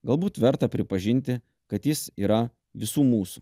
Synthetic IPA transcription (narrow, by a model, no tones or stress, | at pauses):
ɡɐlˠbuːt̪ʋʲɛɾt̪ɐpʲɾʲɪpɐʒʲɪnʲt̪ʲɪ | kɐt̪jɪsiːɾɐ | ʋʲɪsuːmuːsʊ̥